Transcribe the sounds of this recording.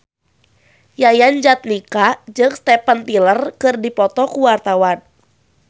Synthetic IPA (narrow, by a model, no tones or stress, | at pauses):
jajand͡ʒat̪̚nikad͡ʒəŋst̪ɛpant̪ilərkɨrdipɔt̪ɔkuwart̪awan